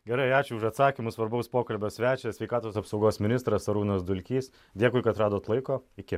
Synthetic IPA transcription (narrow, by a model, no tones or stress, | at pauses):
ɡʲɛɾɐɪɑːt͡ʃʲʊʊʃɐt̪sɑːkʲimʊsʋɐɾbɐʊspoːkɐlʲbʲoːsʲʋʲæːt͡ʃʲɛsʲʋʲɛɪkɑːt̪oːsɐpsɒʊɡoːsmʲɪnʲɪst̪ɾɐsɐɾuːnɐsd̪ʊlʲkʲiːs | d̪ʲeɛkʊɪkɐt̪ɾɑːd̪oːt̪lˠɐɪkoːɪkʲɪ